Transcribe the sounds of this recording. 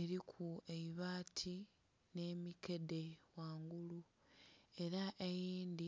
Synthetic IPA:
eɾikʰue̞iβaːtʰi | ne̞ːmike̞de̞waːŋɡulu | e̞ɾaʔe̞jiːnd̪i

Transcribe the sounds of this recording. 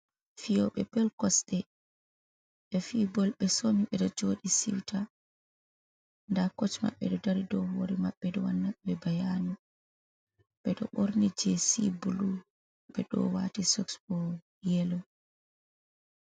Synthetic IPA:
fijɔɓɛpɛlkɔsɗɛ | ɓɛfibɔlɓɛsoniɓɛɗɔd͡ʒoɗisḭwta | ndakot͡ʃma̰ɓːɛ̰ɗɔdaɾidɔwhoɾimaɓːɛɗɔwanːaɓɛbajanu | ɓ̥ɛɗɔ̰ɓoɾnid͡ʒɛsḭbulu | ɓɛɗɔ̰watisɔksbɔ | jɛlɔ

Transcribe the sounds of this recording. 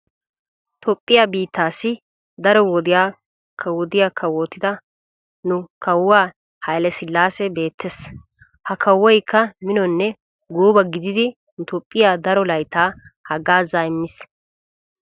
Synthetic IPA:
t̪ɔpʼːɪjabiːt̪ːaːsɪ | d̪ɐɾɔwɔd̪ɪjaː | kʰːɐwɔd̪ɪjaːkʰːɐwoːt̪ːɪd̪ɐ | nʊkʰɐwːaː | hɐjlɛsɪlːaːsɛbe̞ːt̪ʰːes | hɐkʰɐwːɔjkːɐmɪnɔnːɛ | ɡuːbɐɡɪd̪ɪd̪ɪ | nʊt̪ɔpʼːɪjaːd̪ɐɾɔlɐjt̪aːhɐɡaːzaːɪmːɪs

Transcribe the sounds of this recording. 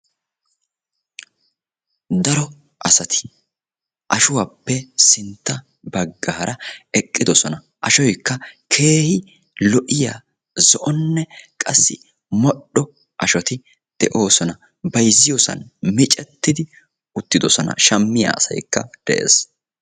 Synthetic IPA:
d̪ɐɾɔ | ʔɐsɐt̪ʰɪ̥ | ʔɐʃʊwaːpːɛsɪnt̪ːɐ | bɐɡːaːɾɐɛkʼːɪd̪ɔsɔnɐ | ʔɐʃɔjkːɐkʰe̞ːhɪ | lɔʔɪja̰ː | zɔʔɔnːɛkʼɐsːɪ | mɔɗːɔ | ʔɐʃɔt̪ɪ | d̪̥ɛʔo̞ːsɔnɐ | bɐjzːɪjɔsɐ̰nmɪt͡ʃʼɛt̪ːɪd̪ɪ | ʊt̪ːɪd̪ɔsɔnɐ̰ʃɐmːɪja̰ːɐsɐ̰jkːɐ̰d̪̥ɛʔe̞̰ːs

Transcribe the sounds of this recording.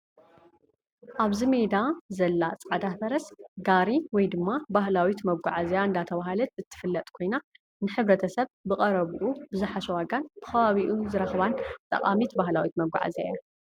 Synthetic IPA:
ʔaβzime̞d̪azɐlːat͡sʼʕd̪afɐɾɐsɡaɾiwɔjd̪ɨmːabahlawit̪mɐɡʷaʕazjaɨnd̪at̪ʰɐβaɦalɐt̪̚ɨt̪ʰːɨ̥fɨlːɐt̪ʼkʰo̞jna | nɨħɨβɾɐt̪ʰɐsɐβbɨkʼɐɾɐβuʔubɨzuħaʃɛwaɡanbɨ̥kʰɐβaβiʔuzɨɾɐxβant̪ʼɐ̰qʼamit̪bahlawit̪mɐɡʷa̰ʕa̰zajja

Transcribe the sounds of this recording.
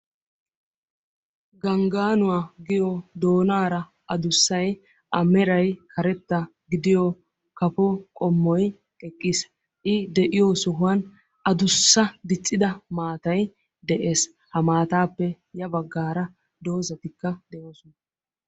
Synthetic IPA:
ɡɐŋɡaːnʊwaːɡɪjod̪o̞ːnaːɾɐ | ʔɐd̪ʊsːɐj | ʔɐmɛɾɐjkʰɐɾɛt̪ːɐ | ɡɪd̪ɪjɔ | kɐpɔkʼɔmːɔj | kʼɛkʼːɪs | ʔɪd̪ɛʔɪjosʊɦʊɐn | ʔɐd̪ʊsːɐd̪ɪt͡sʼːɪd̪ɐmaːt̪ɐj | d̪ɛʔe̞ːs | hɐmaːt̪aːpːɛ | jɐbɐɡːaːɾɐ | d̪o̞ːzɐt̪ɪkːɐd̪ɛjoːsʊnɐ

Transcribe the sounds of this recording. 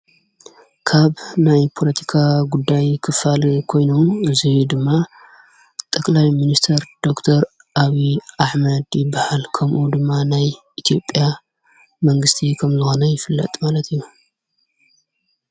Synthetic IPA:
kʰaβnajpʰo̞lɐt̪ʰi̥kʰaɡud̪ːajkʰɨfalkʰo̞jno̞mɨzijud̪ɨmːa | t̪ʼɨkʼlajminist̪ʰɐɾd̪̥o̞kt̪ʰɐɾ | ʔaβiʔaħmɐd̪jɪbahalkʰɐmʔud̪ɨmːanaj | it̪ʰijo̞pʼja | mɐŋɡɨst̪ʰikʰɐmzɨxo̞nɐjɪfɨlːɐ̰t̪ʼmalɐt̪ʰijːu

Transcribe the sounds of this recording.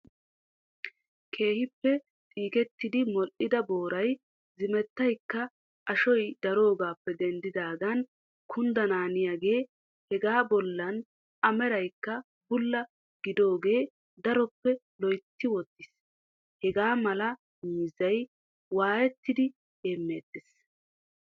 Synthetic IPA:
kʰe̞ːhɪpːɛ | t̪ʼiːkɛt̪ːɪd̪ɪmɔʔɪd̪ɐboːɾɐj | zɪmɛt̪ːɐjkːɐ | ʔɐʃɔjd̪̥ɐɾo̞ːɡaːpːɛd̪ɛnd̪ɪd̪aːɡɐn | kʰʊnd̪ɐnaːnɪjaɡe̞ː | hɛɡaːbɔlːɐn | ʔɐmɛɾɐjkːɐ | bʊlːɐ | ɡ̥ɪd̪o̞ːɡe̞ː | d̪ɐɾɔpːɛ | lɔjt̪ːɪwɔd̪ːɪs | hɛɡaːmɐlɐ | miːzɐj | waːjɛt̪ːɪd̪ɪ | eːmːeːd̪ːɪs

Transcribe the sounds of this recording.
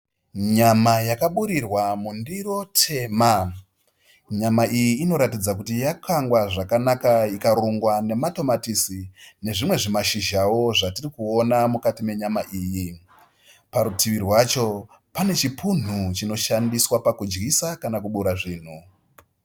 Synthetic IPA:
ɲamajakaɓuɾirwamundiro̞tʰe̞ːma | ɲamaʔijiːno̞ɾatid͡zakutijakaŋɡwaʐakanakaikaɾuŋɡwane̞mato̞matisine̞ʐimwe̞ʐimaʃiʒawo̞ʐatirikuonamukatime̞ɲamaʔiːji | paɾutiʋirwat͡ʃo̞ | pane̞t͡ʃipun̤ut͡ʃino̞ʃandiswapakud͡ʒɡisakanakuɓuɾaʐiːn̤u

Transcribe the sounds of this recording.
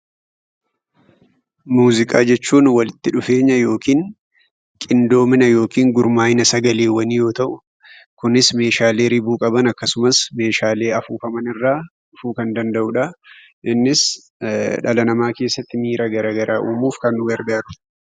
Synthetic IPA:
muːzɪkʼa̰ːd͡ʒɛt͡ʃːuːnwɐlɪt̪ːɪᶑʊfe̞ːɲːɐjo̞ːkiːŋ | kʼɪnd̪o̞ːmɪnɐjo̞ːkiːŋɡʊɾmaːjɪnɐsɐɡɐleːwɐnɪjo̞ːt̪ɐʔʊ | kʊnɪsme̞ːʃaːle̞ːɾɪbuːkʼɐbɐnɐkːɐsʊmɐsme̞ːʃaːle̞ːɐfuːfɐmɐnɪrːaːᶑʊfuːkɐnd̪ɐnd̪ɐʔʊᶑɐ | ʔɪnːɪs | ᶑɐlɐnɐmaːke̞ːsːɐt̪ːɪmiːɾʔɐɡɐɾaːɡɐɾʔaːʔuːmuːfkɐnːʊwɛɾd̪aːɾʊ̥

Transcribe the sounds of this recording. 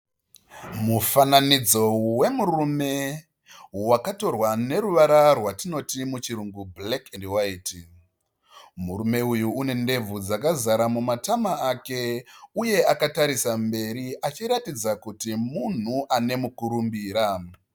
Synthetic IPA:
mufananid͡zo̞we̞murume̞ | wakato̞rwane̞ɾuʋaɾarwatino̞timut͡ʃiɾuŋɡublekendwaiːti | muɾume̞ujuːne̞nde̞b͡vud͡zakazaɾamumatamaake̞uje̞akataɾisambe̞ɾiʔat͡ʃiɾatid͡zakutimun̤uʔane̞mukuɾumbiːɾa

